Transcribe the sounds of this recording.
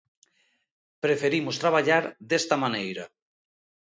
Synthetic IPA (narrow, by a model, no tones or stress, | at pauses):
pɾefeɾimʊst̪ɾaβ̞aʎaɾd̪est̪amanejɾɐ